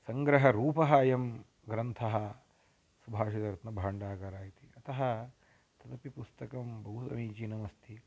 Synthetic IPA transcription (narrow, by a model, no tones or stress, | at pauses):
sɐŋɡɾɐɦɐɾuːpɐɦɐjɐm | ɡɾɐnt̪ʰɐɦɐ | subʱaːʂit̪ɐɾt̪nɐbʱaːɳɖaːɡɐɾaːjit̪iɐt̪ɐɦɐ̆ | t̪ɐt̪ɐpipust̪ɐkɐmbɐɦusɐ̰miːt͡ʃinɐmɐst̪ʰi